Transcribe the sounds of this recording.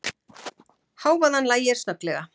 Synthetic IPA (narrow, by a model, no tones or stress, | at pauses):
haːwvaðhanːlaːjɛɾ̥st̪œt̪lɛɣa